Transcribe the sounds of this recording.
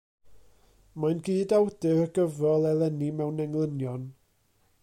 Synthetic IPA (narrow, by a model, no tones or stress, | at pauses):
majnɡiːdawdɪɾəɡəvɔlˠɛlˠɛnimɛwnɛŋlˠənjɔn